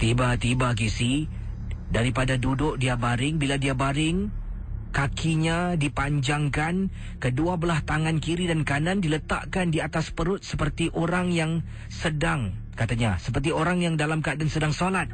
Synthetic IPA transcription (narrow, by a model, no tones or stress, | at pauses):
t̪ibat̪ibak̬isi | daɾipadadudʊk̚diabaɾɪŋbiladiabaɾɪŋ | kakʰiɲadipaɲd͡ʒaŋkan | kəduabəlaht̪aŋankiɾidankanandilət̪a̰ʔkandiat̪aspəɾʊt̪̚səpərt̪iʔoɾaŋjaŋ | sədaŋ | kat̪aɲasəpərt̪̬ioɾaŋjaŋdalamkaadansədaŋsolat̪̚